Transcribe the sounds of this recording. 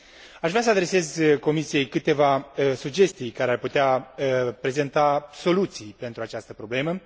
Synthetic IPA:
aʃvɾeas̬əad̪ɾe̞se̞zko̞misije̞jkɨt̪e̞vaəsud͡ʒe̞st̪ijkaɾearput̪eaəpɾe̞ze̞nt̪aso̞lut̪sijpe̞nt̪ɾuat͡ʃast̪əpɾo̞ble̞mə

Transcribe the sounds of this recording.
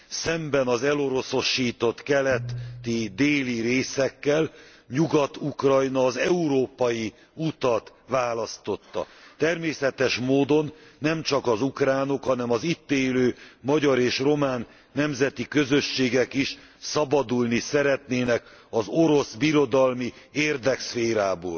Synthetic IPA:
sɛmbɛnɒzɛlo̞ɾo̞so̞ʃːiːt̪o̞t̪kɛlɛt̪t̪ːid̪eːliɾeːsɛkːɛl | ɲuɡɒt̪ukrɒjnɒːzɛuɾoːpɒji | ut̪ɒt̪ | ʋaːlɒst̪o̞t̪ːɒ̰t̪ɛrmeːsɛt̪ɛʃmoːd̪o̞nːɛmt͡ʃɒkɒzukraːno̞khɒnɛmɒzit̪ːeːløːmɒɟɒɾeːʃro̞maːnː | ɛmzɛt̪ikø̞zøʃːeːɡɛkiʃ | sɒbɒd̪ulnisɛɾɛt̪neːnɛkɒzo̞ɾo̞sbiɾo̞d̪ɒlmieːrd̪ɛksfeːɾaːboːl

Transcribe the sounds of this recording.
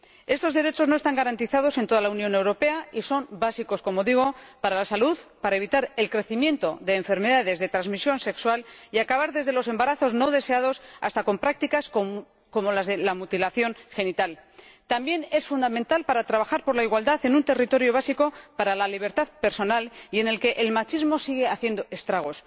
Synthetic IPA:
e̞st̪o̞zðe̞ɾe̞t͡ʃo̞zno̞est̪aŋɡaɾant̪iθað̞o̞se̞nt̪o̞ðalaunjõ̞ne̞wɾo̞pe̞aiso̞nbasiko̞sko̞mo̞ðiɣ̞o̞paɾalasaluðpaɾae̞β̞it̪aɾelkɾe̞θimje̞nt̪o̞ðe̞ːɱfe̞ɾme̞ðaðe̞zðe̞t̪ɾanzmisjo̞nse̞kswaliakaβaɾðe̞zð̞e̞lo̞s̬e̞mbaɾaθo̞zno̞ð̞e̞se̞að̞o̞sa̰st̪ako̞mpɾak̚t̪ikas | komo̞lazðe̞lamut̪ilaθjo̞nxe̞nit̪alt̪ambje̞ne̞sfund̪ament̪alpaɾat̪ɾaβ̞axaɾpo̞ɾlaiɣwald̪aθe̞nunt̪e̞rit̪o̞ɾjo̞β̞asiko̞paɾalaliβ̞e̞ɾt̪aðpe̞ɾso̞nalie̞ne̞lke̞ʔelmat͡ʃizmo̞siɣe̞aθje̞nd̪o̞ʔest̪ɾaɣ̞o̞s

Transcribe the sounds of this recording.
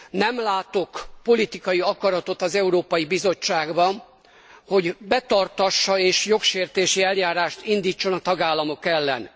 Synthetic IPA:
nɛmlaːt̪o̞kpo̞lit̪ikɒjiɒkɒɾɒt̪o̞t̪ɒzɛuɾoːpɒjibizo̞t͡ʃːaːɡbɒn | ho̞ɟbɛt̪ɒrt̪ɒʃːɒeːʃjo̞kʃeːrt̪eːʃiɛljaːɾaːʃt̪ind̪iːt͡ʃːo̞nɒt̪ɒɡaːlːɒmo̞kɛlːɛ̰n

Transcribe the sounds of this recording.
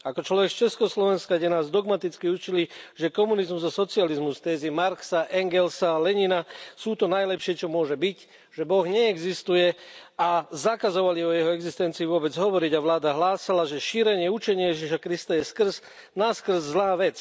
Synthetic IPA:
akɔt͡ʃlɔʋɛkst͡ʃɛskɔslɔʋɛnskaɟɛnaːzd̪ɔɡmat̪it͡skiut͡ʃiliʒɛkɔmunizmuzasɔt͡sializmust̪ɛːzimaɾksaʔɛŋɡɛlsalɛɲinasuːt̪ɔnajlɛpʃɪɛt͡ʃɔmʊɔʒɛbic | ʒ̥ɛbɔɣɲɛːɡzist̪ujɛazakazɔʋaliɔjɛɦɔɛɡzist̪ɛnt͡siːʋʊɔbɛd͡zɦɔʋɔɾiɟaʋlaːd̪aɦlaːsalaʒɛʃiːɾɛɲɪɛut͡ʃɛɲɪɛjɛʒiʃakɾist̪ajɛskr̩z̥ | naskr̩zːlaːʋɛt͡s

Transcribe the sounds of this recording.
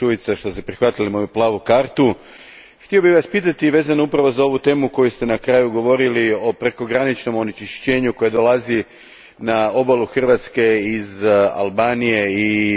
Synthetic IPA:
uʋit̪saʃt̪o̞st̪epɾixʋat̪ilimojuplˠaːʋukaːɾt̪u | xt̪io̞biʋaspiːt̪at̪iʋe̞ːzanoupɾaʋo̞zao̞ʋut̪e̞ːmuko̞just̪e̞nakɾaːjuɡo̞ʋo̞ɾilio̞pɾe̞ko̞ɡɾanit͡ʃno̞mo̞nit͡ʃiʃt͡ɕe̞ːɲukojad̪o̞lˠazi | nao̞balˠuxr̩ʋat̪ske̞iza̰lˠbaːnije̞i

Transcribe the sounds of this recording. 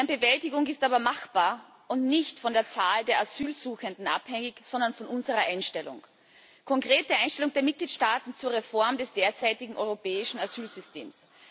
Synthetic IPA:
nbəvɛltɪɡʊŋɪstaːbɐmaxb̥aːɐ | ʊntnɪçtfɔndeːɐt͡saːldeːɐʔaz̥yːlzuːxəndn̩ʔa̰phɛŋɪçz̥ɔndɐnfɔnʔʊnzəʁɐʔaɪnʃtɛlʊ̰ŋ | kʰɔŋkʁ̥eːt̚dəʔãɪnʃtɛlʊŋd̥eːɐmɪt̚ɡ̥liːtʃtaːtn̩t͡suːɐʁefɔɐmdɛsd̥eːɐt͡saɪtɪɡŋ̩ʔɔʏʁopɛːɪʃn̩az̥yːlz̥ʏstḛːms

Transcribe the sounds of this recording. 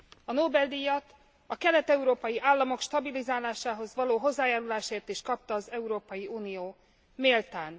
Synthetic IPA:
ɒnoːbɛld̪ijɒt̪ | ɒkɛlɛt̪ɛuɾoːpɒjiʔaːlːɒmo̞kʃt̪ɒbilizaːlaːʃaːɦo̞zʋɒloːɦo̞zːaːjaːɾulaːʃeːrt̪eːʃkɒp̚t̪ɒːzɛuɾoːpɒjiuːnijoː | meːlt̪aːn

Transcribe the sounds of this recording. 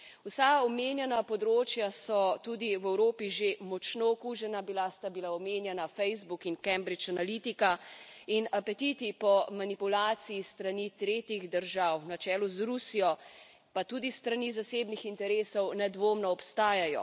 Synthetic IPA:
usaɔmeːnjɛnapɔd̪ɾoːt͡ʃjasɔt̪ud̪iwɛwɾoːpiʒemɔt͡ʃnoɔkuːʒɛnabilast̪abilaɔmeːnjɛnafɛjzbukinkɛmbɾit͡ʃanalit̪ikainapɛt̪it̪ipɔmanipulaːt̪sijist̪ɾanit̪ɾeːt̪jiɣd̪əɾʒawnat͡ʃɛːluzɾusijɔ | pat̪ud̪ist̪ɾanizaseːbnixint̪ɛɾeːsɔwnɛd̪ʋoːmnɔːpst̪aːjajɔ̰

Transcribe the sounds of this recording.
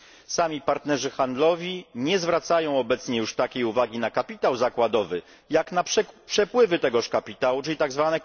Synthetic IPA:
samʲipaɾt̪nɛʐɘxand̪lɔvʲiɲɛzvɾat̪sajɔ̃w̃ɔbɛt̪sɲɛjuʂt̪akʲejuvaɡʲinakapʲit̪awzakwad̪ɔvɘ | jaknaʂɛpʂɛpwɘvɘt̪ɛɡɔʂkapʲit̪awut͡ʂɘlʲit̪aɡzvanɛ

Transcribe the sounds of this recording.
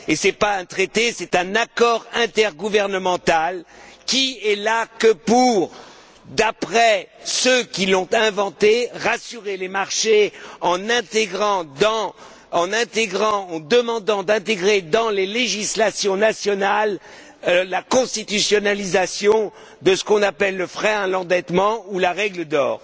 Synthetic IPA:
esɛpaɛ̃t̪χet̪esɛt̪ɛ̃nakɔʁɛ̃t̪ɛʁɡuvɛʁnəmɑ̃t̪alkʲiɛlakəpuʁ | d̪apχɛsøkʲilɔ̃t̪ɛ̃vɑ̃t̪eʁasyʁelemaʁʃeɑ̃nɛ̃t̪eɡʁɑ̃d̪ɑ̃ | ɑ̃nɛ̃t̪eɡʁɑ̃ːd̪əmɑ̃d̪ɑ̃d̪ɛ̃t̪eɡʁed̪ɑ̃leleʒislasjɔ̃nasjɔnalː | akɔ̃st̪it̪ysjɔnalizasjɔ̃ | d̪əsə̥kɔ̃napɛlːəfχɛɛ̃lɑ̃d̪ɛt̪mɑ̃ulaʁɛɡləd̪ɔːʁ

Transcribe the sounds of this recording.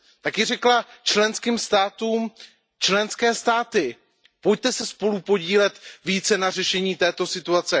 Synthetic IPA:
t̪akɪr̝ɛklat͡ʃlɛnskiːmst̪aːt̪uːm | t͡ʃlɛnskɛːst̪aːt̪ɪ | poj̚t̪ɛsɛspo̞lupo̞ɟiːlɛt̪viːt͡sɛnar̝ɛʃɛɲiːt̪ɛːt̪o̞sɪt̪uat͡sɛ

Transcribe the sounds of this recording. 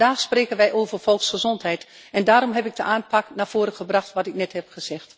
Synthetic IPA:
daːxspreːkənʋɛjʔoːvərfɔlˠksχəzɔntɦɛjt | ɛndaːɾɔmɦɛpɪk̚dəʔaːnpʰaknaːfoːɾəxəbraxtʋɔtɪk̚nɛthɛp̚xəz̥ɛxt

